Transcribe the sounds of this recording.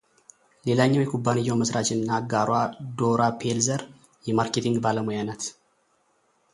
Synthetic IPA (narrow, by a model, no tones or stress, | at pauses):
le̞laɲːawjɛkʰubːanɨjːawməsɾat͡ʃɪnːaɡaɾwad̪oɾapʰelzəɾ | jɛmaɾket̪ʰiŋɡbaləmujanat̪